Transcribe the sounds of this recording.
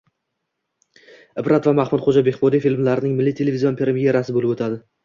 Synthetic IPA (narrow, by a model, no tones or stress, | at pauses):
ɪbɾʔat̪vamaχmʊt̪χod͡ʒabeχbɒd̪ijfilmlaɾɪnɪŋmɪlːit̪ʰe̞levizionpʰiɾemijeɾasɪbolɪbot̪ʰad̪ɪ